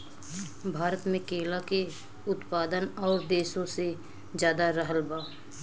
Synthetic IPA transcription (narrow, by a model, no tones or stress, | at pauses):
bʱaːɾət̪mẽkeːlake | ʊt̪paːd̪ənɔːɾd̪eːʃõse | d͡ʒjaːd̪aɾəɦəlbaː